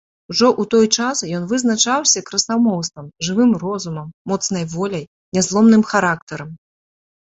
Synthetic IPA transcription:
uʐɔʔut̪ɔjt͡ʂasjɔnvɨznat͡ʂawsʲɐkɾɐsamɔwst̪vɐmʐɨvɨmrɔzumɐmːɔt̪snɐjvɔlʲɐj | nʲɛzlˠɔmnɨmxaɾakt̪ɐɾɐm

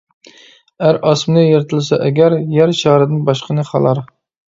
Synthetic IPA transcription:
æɾʔɑsmnɨjeɾɪt̪ʰɨlˠɨsɑʔɛɡʲæɾjæɾʃʰɑːɾɨd̪ɪnbɑʃqʰənɨχɑ̰lˠɑɾ

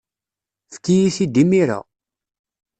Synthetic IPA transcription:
fkːijiθid̪imiɾa̰

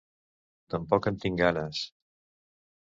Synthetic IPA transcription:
t̪əmpɔkənt̪iŋɡanəs

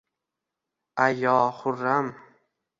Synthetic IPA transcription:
ʔajɑːχʊrːam

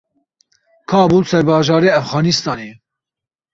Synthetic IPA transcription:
kʰɑːbuːsɛɾbɑːʒɑːɾeːæfɣɑːnist̪ɑːneː

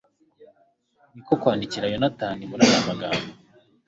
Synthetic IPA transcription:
nikokwaːndiciɾajonataːnimuɾajaːmaɡaːmbo

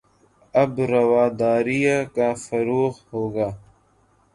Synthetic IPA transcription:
ɐbɾɐwaːd̪ɑːɾijakafɐɾuːxhoːɡa

